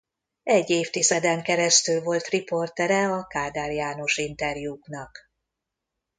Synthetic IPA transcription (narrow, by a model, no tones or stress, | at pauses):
ɛɟːeːft̪izɛd̪ɛŋkɛɾɛst̪ylvo̞lt̪ripo̞rt̪ɛɾɛɒkaːd̪aːrijaːno̞ʃint̪ɛrjuːknɒk